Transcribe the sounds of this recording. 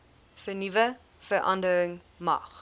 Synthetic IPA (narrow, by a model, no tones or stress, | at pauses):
fənivə | fəɾʔɐ̰ndəɾəŋ | mɐ̰χ